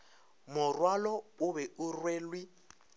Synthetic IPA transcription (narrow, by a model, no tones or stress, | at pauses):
mʊrwalɔʊβɛʊrweːlwi